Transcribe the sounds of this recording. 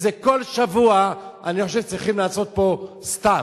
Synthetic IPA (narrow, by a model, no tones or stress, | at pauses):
zeko̞lʃavuaaniχoʃ̬evt͡sʁiχimlaːso̞t̪̚po̞ | st̪a